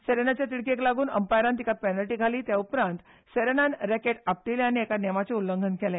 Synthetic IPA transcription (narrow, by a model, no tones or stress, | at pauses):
seɾenat͡ɕjat̪iɽkeklaɡuːnə̰mpajɾãnt̪ikapɛnəlʈiːɡʱaliːt̪jaupɾãnt̪ | seɾenanɾɛkeʈap̚ʈileañiɛkanɛmat͡seulːəŋɡʱənkɛlɛ̃